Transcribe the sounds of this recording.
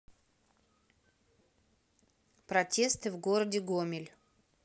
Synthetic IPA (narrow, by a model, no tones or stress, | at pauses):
pɾɐtʲe̞st̪ɨvɡoɾədʲɪɡomʲɪlʲ